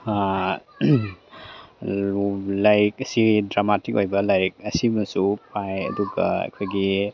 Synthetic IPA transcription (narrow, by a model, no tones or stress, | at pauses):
lajɾik̚ɐsidɾamatikojbɐlajɾik̚ɐsimɐsupʰajɐ̰duɡɐ̰ḛkʰojɡi